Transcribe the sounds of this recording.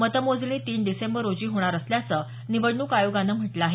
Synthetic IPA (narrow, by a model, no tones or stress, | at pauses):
mət̪əmod͡zliːt̪iːnɖisembəɾːod͡ʑiːɦoɽ̃aɾəsljat͡səː | niʋəɽɳuːkajoɡanəm̤əʈləaɦe